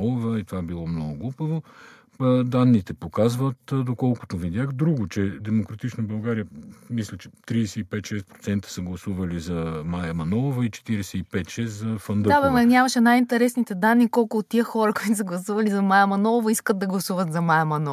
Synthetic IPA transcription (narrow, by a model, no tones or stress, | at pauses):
ɔovɐit̪ovabilˠɔmnɔɡʊɡlˠupəvo | d̪anːit̪ɛpokazvət̪d̪okɔlˠkʊ̥t̪ovid̪ʲjaxd̪ɾuɡʊt͡ʃɛd̪ɛmokɾɐt̪it͡ʃnobɐlˠɡaɾijəmislʲɛt͡ʃɛ̥t̪ɾisɛipɛt̪ʃɛspɾot̪sɛnt̪ə̥sɐɡlˠɐsuvɐlizɐmajɐmɐnɔlˠvɐit͡ʃɛ̥t̪iɾɛsɛipɛt̪ʃɛszɐfɐnd̪d̪abɐmnʲɲʲamɐʃɛnajint̪ɛɾɛsnit̪ɛd̪anːikɔlˠkʊːtt̪ːiəxɔɾɐkoit̪ʊs̬əɡlˠɐsuvɐlizɐmajɐmɐnɔlˠvɐiskəd̪ɐɡlˠɐsuvət̪zɐmajɐmɐnɔ